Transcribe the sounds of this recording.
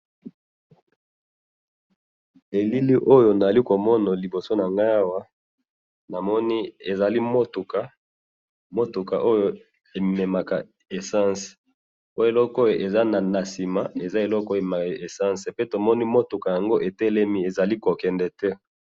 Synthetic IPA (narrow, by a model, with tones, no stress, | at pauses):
e˨li˦li˦ʔo˦jo˨na˨za˨li˦ko˨mɔ˦na˨li˨bo˨so˦na˨ŋɡa˦a˦wa˦ | na˨mɔ˦ni˦e˨za˨li˦mo˦tu˨ka˦ | mo˦tu˨ka˨ʔo˦jo˨ | e˨me˨ma˨ka̰˨ | e˨sã˦se̥˨ | o˦je˨lɔ˦ko˦jo˨ʔe˨za˦na˨na˨si˨ma˨e˨za˦e˨lɔ˦ko˦je˨ma˨e˨sã˦nse˨pe˦to˨mɔ˦ni˦mo˦tu˨ka˨ja˨ŋɡo˦ʔe˨tɛ˦lɛ˦mi˦e˨za˨li˦ko˨kɛ˨ndɛ˨tɛ˦